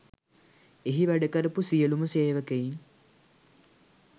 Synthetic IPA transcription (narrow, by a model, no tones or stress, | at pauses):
eɦiʋæɖəkɐɾəpusijəluməseːʋəkejin